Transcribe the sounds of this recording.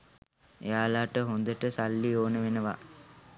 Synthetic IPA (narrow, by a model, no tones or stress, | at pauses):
ḛjaːlaːʈəɦond̪əʈəsalːioːnəʋenəʋa̰